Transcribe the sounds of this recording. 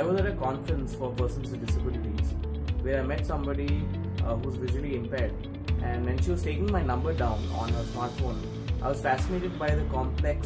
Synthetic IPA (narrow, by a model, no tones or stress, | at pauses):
aɪʋɔzæʈəkɔ̃ːnfəɾə̃nsfɔpəɾsə̃nsɖɪsəbɪlɪʈiz | ʋeːɾaɪmɛʈsʌ̃mbɔɖi | ɦuːzʋɪʒuəliɪ̃mpɛɖ | æ̃ɳɖʋɛ̃nʃiʋɔzʈeːkɪ̃ŋmaɪnʌ̃mbəɾɖãʊ̃nɔ̰̃ːnɦəɾsmaːɾʈfõːn | ʔaɪʋɔzfæsɪneːʈɪɖ̚baɪd̪əkɔ̃mplɛks